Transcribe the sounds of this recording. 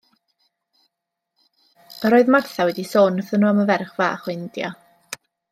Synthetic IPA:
əɾoːɨðmarθawɛdisoːnəθənuːaməvɛrχva̰ːχwɪndja̰

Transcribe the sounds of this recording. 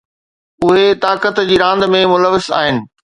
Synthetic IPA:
ʊɦet̪aːkət̪d͡ʑiːɾãːnd̪mẽmʊləʋɪsa̰ːɦɪnɪ̆

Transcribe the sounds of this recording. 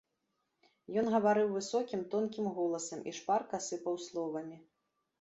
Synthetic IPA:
jɔnɣɐvaɾɨwvɨsɔkʲimt̪ɔnkʲimɣɔlˠɐsɐmʔḭʂparkasɨpɐwslˠɔvɐmʲi

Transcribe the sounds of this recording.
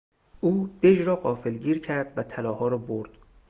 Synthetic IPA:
ʔuːd̪̥ed͡ʒɾɒːɢɒːfelɟiːɾcʰæɾd̪væt̪ʰælɒːhɒːɾɒːboɾd̪̥

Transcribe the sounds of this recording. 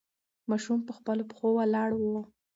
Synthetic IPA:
mɑʃumpəxpəlopə̥xowalɑɽwo

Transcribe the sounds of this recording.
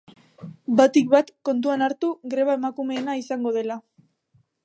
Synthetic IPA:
bat̪ik̚βat̪ko̞nt̪uanaɾt̪uɡɾe̞βae̞makume̞ːnaisaŋɡo̞ð̞e̞la

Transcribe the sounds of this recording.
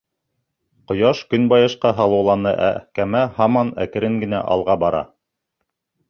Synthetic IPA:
qŏjɑʃkɵnbɑjɤ̆ʃqɑɦɑlˠɤ̆wlˠɑnɤʔæ̰kæmæhɑmɑnæ̰kɘ̆ɾɘŋɡɘ̆næ̰ʔɑ̰lˠʁɑbɑɾɑ̰

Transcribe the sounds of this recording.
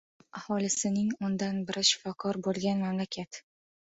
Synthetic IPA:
ahɒlɪsɪnɪŋʊnd̪anbɪɾɪʃɪ̥fɒkʰɒɾbolˠɡʲanmamlakʲʰat̪

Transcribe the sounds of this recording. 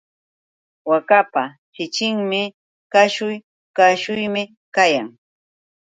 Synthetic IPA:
wakapa | t͡ʃɪt͡ʃɪŋmɪ | kaʃʊj | kaʃʊjmɪ | kajaŋ

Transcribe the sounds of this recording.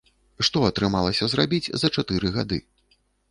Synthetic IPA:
ʂt̪ɔɐt̪ɾɨmalˠɐsʲɐzɾrabʲit͡sʲzɐt͡ʂat̪ɨɾɨɣad̪ɨ̰

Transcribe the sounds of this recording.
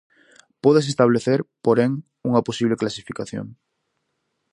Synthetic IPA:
poðes̬est̪aβ̞leθeɾpoɾeŋ | uŋaposiβleklasifikaθjo̰ŋ

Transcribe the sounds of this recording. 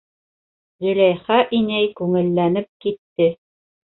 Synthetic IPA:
ʁĭlæjχæʔinæjkʉŋɘ̆lːænɘp̚kit̪ːɘ

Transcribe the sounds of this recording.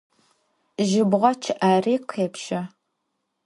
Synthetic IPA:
ʒɪbʁʷɔt͡ʃʰɪʔaːriːqʰʷepʃɐ

